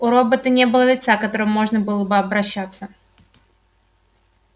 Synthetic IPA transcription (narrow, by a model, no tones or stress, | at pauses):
ʊɾobət̪ənʲebɨlˠəlʲɪt̪sakɐt̪o̞ɾɨmːo̞ʐnəbɨlˠəbɨɐbɾɐɕːat̪sːə